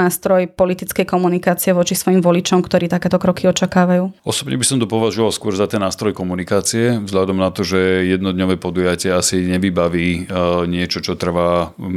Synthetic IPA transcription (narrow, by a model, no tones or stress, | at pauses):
aːst̪ɾɔjpɔlit̪it͡skɛjkɔmunikaːt͡siɛʋɔt͡ʃisʋɔjimʋɔlit͡ʃɔmkt̪ɔɾiːt̪akɛːt̪ɔkɾɔkiɔt͡ʃakaːʋajuːɔsɔbɲɛbisɔmt̪ɔpɔʋaʒuʋalskʊɔɾzat̪ɛnːaːst̪ɾɔjkɔmunikaːt͡siɛvzɦʎad̪ɔmnat̪ɔʒɛjɛd̪nɔd̪ɲɔʋɛːpɔd̪ujacɪɛasiɲɛʋibaʋiːɲɪɛt͡ʃɔt͡ʃɔt̪r̩ʋa